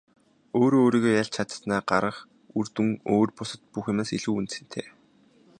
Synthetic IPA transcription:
oːɾoːɾiːɣoːjaɮt͡ɕʰat̪snaːɢaɾə̆χ | urt̪ɘ̆ŋoːrpʊsə̆t̪̚puxʊmeːsiɮŭːunt̪sɘ̆n̥t̪ʰḛː

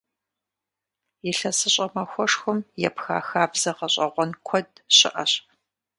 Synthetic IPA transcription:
jɪɬɐsɨɕʼɐmɐxʷɔʂxʷʊmjɛpxaːxaːbzɐqɐɕʼɐʁʷɔnkʷʰɔdɕʼɪ̰ʔɐɕ

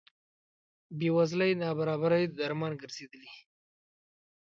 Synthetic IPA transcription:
bewazlajnɑbaɾɑbaɾaj̪d̪aɾmɑnɡəɾz̥ed̪əli

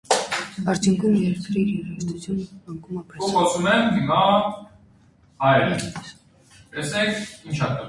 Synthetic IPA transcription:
ɑɾt͡sʰjuŋkʰumjɛɾɾt̪ʰɾiɾiɾɛst̪ʰut͡sʰjunɑŋkʰumɑpʰɾɛuχɔsumɛmɦimɑ | hɑjɛɾɛ̰ | t̪ɛsɛkʰint͡ʃʰɑt̪ɛ

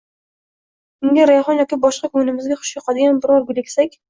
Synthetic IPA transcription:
ʊŋɡ̪ʲaɾajχɒnjɒkʲibɒʃqɑkʰʊnɪmɪzɡʲaχʊ̥ʃjoqʰɑd̪ɪɡʲanbɪɾɒɾɡʊlekʲsakʲ

